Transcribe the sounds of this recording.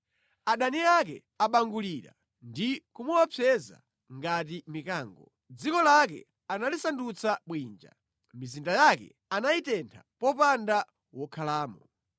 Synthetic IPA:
aɗaniakɛ̰ | aɓaŋɡuliɾa̰ | ndikumuwapʰɛza̰ | ŋɡatimikaːŋɡɔ | d͡zikɔlakɛ̰ | analisandut͡saɓwiːnd͡ʒa̰ | mizindajakɛ̰ | anaitɛntʰa̰pɔpanda | wɔkʰalaːmɔ

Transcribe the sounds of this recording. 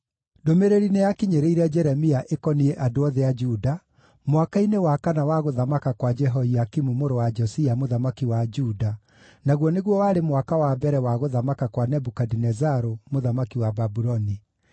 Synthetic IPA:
domeɾeɾinejakiɲeɾeiɾɛd͡ʒɛɾɛmiaʔekɔniɛʔadoɔðɛad͡ʒuda | mwakainewakanawaɣoðamakakwad͡ʒɛɦɔiakimumoɾowad͡ʒɔsiamoðamakiwad͡ʒuda | naɣwɔneɣwɔwaːɾemwakawabɛɾɛwaɣoðamakakwanɛbukadinɛzaɾomoðamakiwababuɾɔni

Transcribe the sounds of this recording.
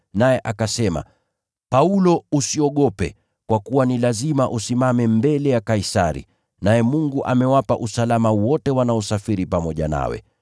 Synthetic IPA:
najɛʔakasɛma̰ | paulɔusiɔɠɔpɛ | kwakuwanilazimaʔusimamɛmbɛlɛjakaisaɾḭ | najɛmuŋɡuʔamɛwapaʔusalamawɔtɛwanaɔsafiɾipamɔʄa̰na̰wɛ̰

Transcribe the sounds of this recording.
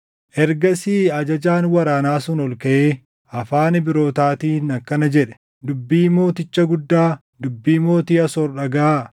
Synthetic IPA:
ʔɛɾɡɐsiːɐd͡ʒɐd͡ʒaːnwɐɾaːnaːsʊnɔlkɐʔeː | ɐfaːnbɪɾo̞ːt̪aːt̪iːnɐkːɐnɐd͡ʒɛᶑɛ̥ | d̪ʊbːiːmo̞ːt̪ɪt͡ʃːɐɡʊd̪ːaː | d̪ʊbːiːmo̞ːt̪iːɐsɔɾᶑɐɡaː

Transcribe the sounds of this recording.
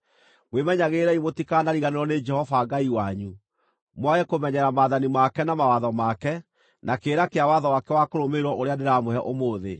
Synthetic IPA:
mwemɛɲaɣeːɾɛimotikanaɾiɣaneɾɔned͡ʒɛhɔvaɡaiwaɲu | mwaɣɛkomɛɲɛɾamaðanimakɛnamawaðɔmakɛ | nʔakeːɾakeawaðɔwakɛwakoɾomeɾwɔʔoɾeandeɾamohɛʔomoːðḛ

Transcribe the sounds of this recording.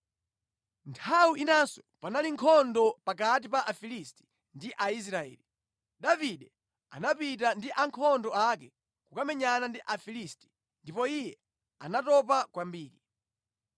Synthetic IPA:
ntʰawuʔinansɔ̥panaliŋkʰɔndɔpak̬at̬ipaʔafilisti̥ | ndiʔais̬ɾaɛ̰ːli | ɗaviɗɛ | a̰napit̬andiʔaŋkʰɔndɔakɛ | kukamɛɲanandiʔafilisti̥ | ndipɔijɛ | anatɔpakwambiːɾi

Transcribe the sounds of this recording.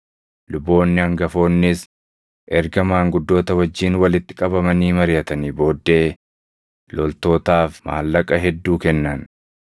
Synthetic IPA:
lʊbːo̞ːnːɪɐŋɡɐfo̞ːnːɪs | ʔɛɾɡɐmaːŋɡʊd̪ːo̞ːt̪ɐwɐd͡ʒːiːnwɐlɪt̪ːɪkʼɐbɐmɐniːmɐɾɪjɐt̪ɐniːbo̞ːd̪ːe̞ː | lɔlt̪o̞ːt̪aːfma̰ːlːɐkʼɐɦɛd̪ːuːkɛnːɐn

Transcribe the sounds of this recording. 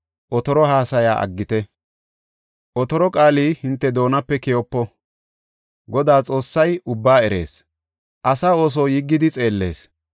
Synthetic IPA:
ʔɔt̪ɔɾɔɦaːsɐja̰ːʔɐ̰ɡːɪt̪ɛ | ʔɔt̪ɔɾɔkʼaːliːhɪnt̪ːɛd̪o̞ːnɐpːɛkɛjɔpːɔ | ɡɔd̪aːt͡sʼo̞ːsːɐjʊbːaːɛɾe̞̰ːs | ʔɐsaːo̞ːs̬oːjɪɡːɪd̪ɪt͡sʼe̞ːlːe̞̰ːs

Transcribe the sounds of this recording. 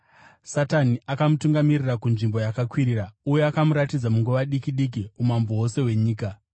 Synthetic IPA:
sataniakamutuŋɡamirirakunʐimbo̞jakakwiɾiːraujeakamuɾatid͡zamuŋɡuʋaɗikiɗik̬iumamboose̞we̞ɲiːka

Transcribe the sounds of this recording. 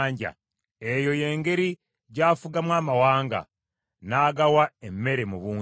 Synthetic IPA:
ɲɟa̰ | e̞jo̞je̞ːŋɡe̞ɾi | ɟaːfuɡamwaːmawaːŋɡa̰ | naːɡawaemːe̞ɾe̞muβuː

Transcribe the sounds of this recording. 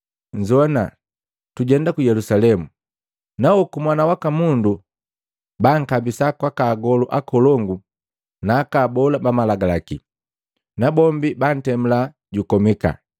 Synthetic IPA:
ɲd͡ʒɔna | tuɟɛndakujɛlusalɛmu | naɔkumwanawakamundu | baŋ̩kabisakwakaːɡɔluʔakɔlɔŋɡu | naːkabɔlabamalaɡalaki | nabɔmbiban̩tɛm̩la | ɟukɔmika̰

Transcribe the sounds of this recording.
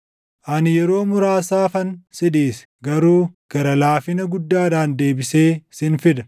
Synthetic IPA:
ʔɐnjɛɾo̞ːmʊɾaːsaːfɐnsɪd̪iːs | ɡɐɾuːɡ̥ɐɾɐlaːfɪnɐɡʊd̪ːaːd̪aːnd̪e̞ːbɪse̞ːsɪnfɪd̪ɐ

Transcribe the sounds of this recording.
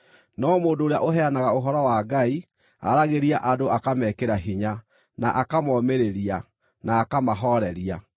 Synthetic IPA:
nɔmoːndoːɾea̰ʔoɦɛanaɣaoɦɔɾɔwaɡai | a̰ɾaɣeɾiaʔadoakamɛːkeɾaɦiɲa | na̰ʔakamɔːmeɾeɾia | naːkamaɦɔɾɛɾia

